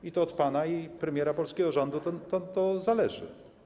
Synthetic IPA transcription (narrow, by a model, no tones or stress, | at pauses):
it̪ɔːt̪panaipɾɛmʲjɛɾapɔlskʲɛɡɔʐɔnd̪ut̪ɔt̪ɔt̪ɔzalɛʐɘ̰